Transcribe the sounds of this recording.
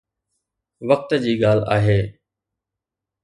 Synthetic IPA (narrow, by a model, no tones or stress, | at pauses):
ʋək̚t̪d͡ʑiːɠaːl̤a̰ːɦeː